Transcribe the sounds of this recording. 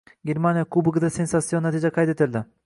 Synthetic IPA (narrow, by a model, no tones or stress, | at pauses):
ɡʲeɾmanjakʰubɨɡɨd̪asensat̪sijonːat̪ʰid͡ʒɛqʰɑjt̪et̪ɪld̪ɪ